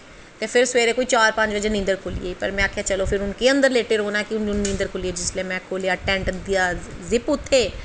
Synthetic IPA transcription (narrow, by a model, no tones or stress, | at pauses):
t̪eːpʰɪɾsʋeːɾeːkoːiːt͡ʃaːɾpə̃ɲt͡ʃʋəd͡ʒẽːnĩnd̪əɾkʰʊlḭeːiːpəɾmɛ̃ːkʰjaːt͡ʃəloːpʰɪɾʊnkeːə̃nd̪əɾleːʈeːɾoːnaːkɪʊnʊnnĩnd̪əɾkʰʊlieːd͡ʒɪsleːmɛ̃ːkʰoːleːaːʈɛ̃ːɳʈd̪ijaːzɪpʊt̪ʰːeː